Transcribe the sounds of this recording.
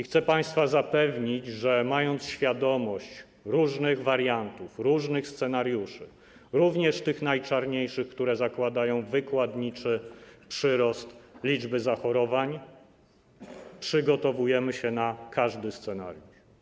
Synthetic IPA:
ixt̪sɛpaj̃st̪fazapɛvɲid͡ʑʐɛmajɔnt̪sɕfʲjad̪ɔmɔɕt͡ɕ | ɾuʐnɘɣvaɾjant̪ufɾuʐnɘxst̪sɛnaɾjuʂɘ̰ | ɾuvɲɛʂt̪ɘxnajt͡ʂaɾɲejʂɘxkt̪uɾɛzakwad̪ajɔ̃w̃vɘkwad̪ɲit͡ʂɛpʂɘɾɔst̪lʲid͡ʐbɘzaxɔɾɔvaɲ | pʂɘɡɔt̪ɔvujɛmɘɕɛnakʰaʐd̪ɘst̪sɛna̰ɾjuʂ

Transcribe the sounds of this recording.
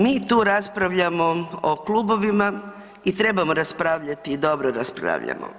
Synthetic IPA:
miːt̪uːɾaspɾaʋʎamo̞oklˠubo̞ʋima | it̪ɾe̞bamoɾaspɾaːʋʎat̪iːd̪o̞bɾoɾaspɾa̰ːʋʎa̰mo̰

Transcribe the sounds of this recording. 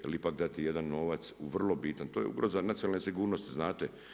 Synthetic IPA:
lipakd̪at̪ijed̪anːo̞ʋat̪suʋr̩lˠo̞bit̪ant̪oːjeṵɡɾozanat̪sionalnesiɡuːɾnost̪iznaːt̪e

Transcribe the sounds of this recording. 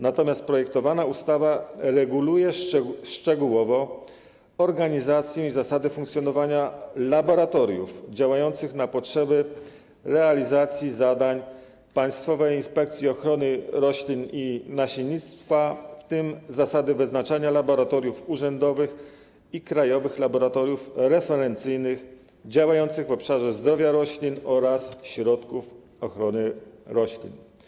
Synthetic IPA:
nat̪ɔmʲjast̪̚pɾɔjɛk̚t̪ɔvanaust̪avaɾɛɡulujɛʂt͡ʂɛɡuwɔvɔ | ɔɾɡaɲizat̪sʲjɛ̃izasad̪ɛfuŋkt̪sʲjɔnɔvaɲalabɔɾat̪ɔɾʲjṵfd͡ʑawajɔnt̪sɘxnapɔtʂɛbɘ | ɾɛalʲizat̪sʲjizad̪aɲ | paj̃st̪fɔvɛjinspɛk̚t̪sʲjiɔxɾɔnɘɾɔɕlʲininaɕiɲit̪st̪faft̪ɘmzasad̪ɘvɘznat͡ʂaɲalabɔɾat̪ɔɾjufuʐɛnd̪ɔvɘx | ikɾajɔvɘxlabɔɾat̪ɔɾjufɾɛfɛɾɛnt̪sɘjnɘx | d͡ʑawajɔnt̪sɘɣvɔpʂaʐɛzd̪ɾɔvʲjaɾɔɕlʲinɔɾasɕɾɔt̪kuf | ɔxɾɔnɘɾɔɕlʲḭn

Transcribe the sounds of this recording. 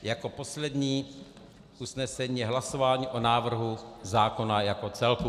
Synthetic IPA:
jako̞po̞slɛdɲiː | ʔusnɛsɛɲiːjɛɦlaso̞vaːɲiːʔo̞naːvr̩ɦuzaːko̞najako̞t͡sɛlku

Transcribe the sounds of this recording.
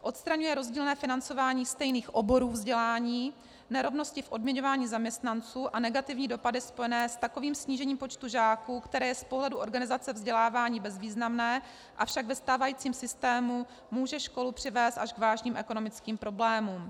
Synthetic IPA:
ʔo̞t̪st̪ɾaɲujɛɾozɟiːlnɛːfɪnant͡so̞vaːɲiːst̪ɛjniːxʔo̞bo̞ɾuːvzɟɛlaːɲiː | nɛɾo̞vno̞scɪfʔo̞dmɲɛɲo̞vaːɲiːzamɲɛst̪nant͡suːʔanɛɡat̪ɪvɲiːdo̞padɪspo̞jɛnɛːst̪ako̞viːmsɲiːʒɛɲiːmpo̞t͡ʃt̪uʒaːkukt̪ɛɾɛːjɛspoɦlɛduʔo̞ɾɡanɪzat͡sɛvzɟɛlaːvaːɲiːbɛzviːznamnɛː | ʔafʃaɡvɛst̪aːvajiːt͡siːmsɪst̪ɛːmu | muːʒɛʃko̞lupr̝̥ɪvɛːst̪aʃɡvaːʒɲiːmʔɛko̞no̞mɪt͡skiːmpɾo̞blɛːmuːm

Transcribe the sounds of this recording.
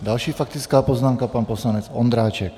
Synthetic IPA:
d̪alʃiːfak̚t̪it͡skaːpɔznaːmkapaːnpɔslaɲɛt͡sɔnd̪ɾaːt͡ʃɛk

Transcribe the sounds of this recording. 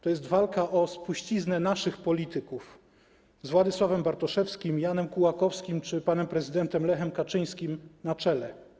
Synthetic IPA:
t̪ɔjɛst̪valkaʔɔspuɕt͡ɕiznɛnaʂɘxpɔlʲit̪ɘkuf | zvwad̪ɘswavɛmbaɾt̪ɔʂɛfskʲimjanɛmkuwakɔfskʲimt͡ʂɘpanɛmpɾɛzɘd̪ɛnt̪ɛmlɛxɛmkat͡ʂɘj̃skʲimnat͡ʂɛlɛ

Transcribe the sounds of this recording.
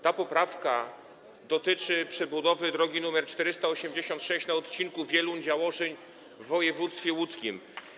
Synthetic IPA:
t̪apɔpɾafka | d̪ɔt̪ɘt͡ʂɘpʂɛbud̪ɔvɘd̪ɾɔɡʲinumɛɾt͡ʂt̪ɛɾɘst̪aɔɕɛmd͡ʑeɕɔnt̪ʂɛɕt͡ɕnaɔt̪t͡ɕinkuvʲjɛlund͡ʑawɔʂɛɲ | vːɔjɛvut̪st̪fʲjɛwut̪skʲim

